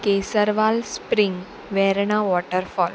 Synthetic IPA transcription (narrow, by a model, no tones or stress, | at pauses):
kesəɾʋalspɾiŋɡ | ʋɛɾɳaʋɔʈəɾfɔl